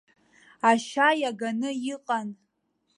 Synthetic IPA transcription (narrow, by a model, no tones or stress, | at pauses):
aʃajaɡanɨjiqʼan